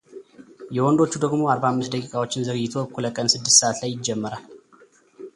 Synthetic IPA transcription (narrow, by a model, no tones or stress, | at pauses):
jɛwɔnd̪o̞t͡ʃːud̪əɡmo̞aɾbahamːɨst̪̚d̪əkʼikʼawo̞t͡ʃːɪnzəɡɨjːɪt̪ʰo̞kʰuləkʼənsɨd̪ːɨst̪səʔat̪lajːɪd͡ʒːɛmːəɾal